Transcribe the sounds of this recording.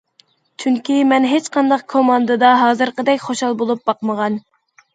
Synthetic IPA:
t͡ʃʰyŋkʲimɛnɦet͡ʃqɑnd̪ɑqkʰomɑnd̪ɨd̪ɑɦɑːzɨɾqəd̪ɛkʲχoʃɑlˠbolˠup̚bɑqməʁɑn

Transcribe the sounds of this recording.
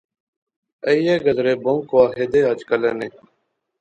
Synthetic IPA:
əijeːɡəd̪ɾeːbõŋkʋaːɦeːd̪eːaːd͡ʒkəleːneː

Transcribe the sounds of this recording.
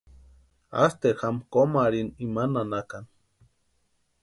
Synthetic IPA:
a̰st̪examkomaɾinimananakan

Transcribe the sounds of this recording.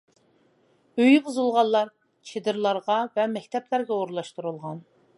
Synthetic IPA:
øjʁʊzulˠʁɑllˠɑɾ | t͡ʃʰed̪ɪɾlˠɑɾʁɑvɛmɛkʲt̪ʰɛplæɾɡʲɛoɾlˠɑʃt̪uɾulˠʁɑn

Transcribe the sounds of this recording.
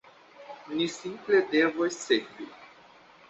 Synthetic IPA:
nisimpled̪evosseɡvi

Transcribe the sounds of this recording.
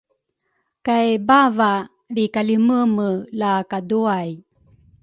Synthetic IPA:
kajbava | ɾikaliməməlakaduaj

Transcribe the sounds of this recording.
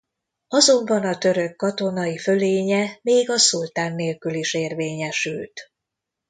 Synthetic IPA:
ɒzo̞mbɒnɒt̪ø̞ɾø̞kːɒt̪o̞nɒjifø̞leːɲɛmeːɡɒsult̪aːnːeːlkyliʃeːrveːɲɛʃylt̪

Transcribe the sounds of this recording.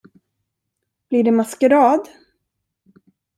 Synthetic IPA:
b̥lɪɖɛmaskəɾɑːd̪

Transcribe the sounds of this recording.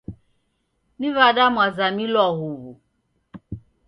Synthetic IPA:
nivadamwazamilɔɦuβṵ

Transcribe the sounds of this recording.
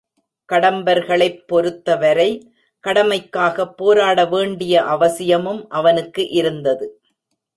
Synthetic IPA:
kɐɽɐmbɐɾɣɐɭɐɪpːɔɾɯt̪ːɐʋɐɾɐɪ | kɐɽɐmɐɪkːaːɣɐpːoːɾaːɽɐʋeːɳɖɪjɐʔɐʋɐsɪjɐmɯmʔɐʋɐnɯkːɯʔɪɾɯnd̪ɐðɯ

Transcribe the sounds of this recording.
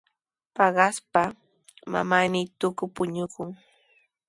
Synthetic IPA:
pɑɢɑspa | ma̰manɪt̪ʊkʊpʊɲʊkʊŋ

